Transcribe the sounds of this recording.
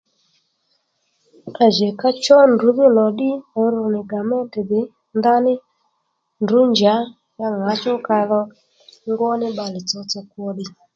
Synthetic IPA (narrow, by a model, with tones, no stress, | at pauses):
a˨ʒɛ˨ka˦t͡ʃɔ˦ndu˨˦βi˦nɔ˨ɗi˦ɔ˨˦ɾu˨ni˨ɡa˨mɛ˦tɛ˨ðe˨˦ | nd̪a˦ni˦ | ndu˨˦nd͡ʒa˨˦ | ja˧ŋa˨˦t͡ʃɔ˦ka˧ðɔ˧ | ŋɡɔ˦ni˦ɓa˨li˨t͡sɔ˧t͡sɔ˧kwɔ˧ɗi˨